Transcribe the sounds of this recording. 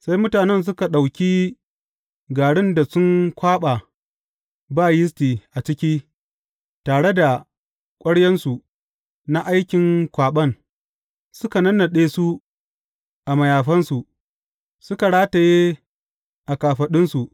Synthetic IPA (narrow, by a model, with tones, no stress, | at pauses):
sa˦jmʊ˦taː˨nɛ˦ns̬ʊ˦ka˨ɗa˨wkʲiː˦ | ɡaː˨ɽɪ˦nda˨sʊ˦ŋkʷaː˦ɓa˨ | baː˦˨jɪ˦s̬tiː˨ʔa˨t͡ʃɪ˦kʲiː˦ | taː˨ɽe˦da˨ | kʷʼɐ˦ɽjɛ˦nsu˨ | na˦ʔa˦jkʲɪ˨ŋkʷaː˨ɓɐ˦n | sʊ˦ka˨nɐ˦nːɐ˨ɗeː˦su˦ | ʔa˨mɐ˨jaː˨ɸɐ˦nsu˨ʔ | sʊ˦ka˨ɽaː˦ta˨je˦ | ʔa˨kaː˨ɸɐ˨ɗɪ˦nsu˨ʔ